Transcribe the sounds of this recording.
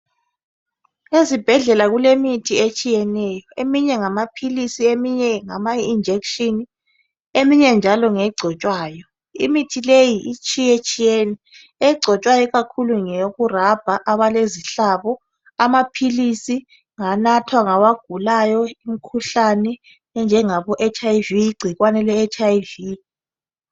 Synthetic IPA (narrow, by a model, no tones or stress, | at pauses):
ezib̥ʱɛɮɛlaɣulemitʰiet͡ʃʼijɛnɛjɔemiɲɛŋamapʰilisiemiɲɛŋamaind͡ʒʱekʃini | emiɲɛnd͡ʒʱalɔŋɛɡ͡ǀʱɔt͡ʃʼwaːjɔ | imitʰilejiʔit͡ʃʼijet͡ʃʼijɛnɛ | ɛɡ͡ǀʱɔt͡ʃʼwajɔɣakʰuluŋeɣurab̥ʱaʔaβaleziɬaβɔ | amapʰilisi | ŋanatʰwaŋawaɡ̥ʱulajɔim̩kʰuɬanɛ | nd͡ʒʱɛŋaβɔʔɛt͡ʃʰʼaiviːɡ͡ǀʱiɣwanɛlɛːt͡ʃʰʼajvi